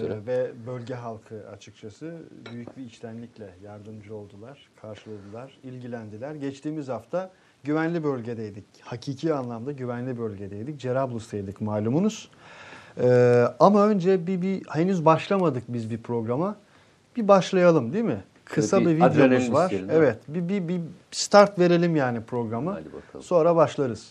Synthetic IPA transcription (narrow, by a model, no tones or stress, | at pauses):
vɛbø̞lʲɟɛɦalˠkʰɯa̰t͡ʃʰɯk̚t͡ʃʰasɯbyjycbiːt͡ʃt̪ʰʲænlʲiclʲɛjaɾd̪ɯmd͡ʒɯo̞lˠd̪ulˠaɾ̥kʰaɾʃɯlˠad̪ɯlˠaɾ̥ilʲɟilʲænd̪ilʲæɾɟɛt͡ʃt̪iːmizhaft̪ʰa | ɟyvænlʲibø̞lʲɟe̞d̪ejd̪ic | hacʰiːcʰiːanlˠamd̪aɟyvænlʲibø̞lʲɟe̞d̪ɛjd̪ic̚d͡ʒeɾablˠust̪ajd̪icmaːlʲumunuz̥ | ɯːamaø̞nd͡ʒɛbibihenyzbaʃlˠamad̪ɯk̚bizbipʰɾo̞ɡɾama | bibaʃlˠajalˠɯmd̪imɪ | kʰɯsabivid̪jonuzvaɾevɛt̪bibibist̪ʰaɾt̪ve̞ɾe̞lʲimjaːnipʰɾo̞ɡɾamɯso̞nɾabaʃlˠaɾɯz̥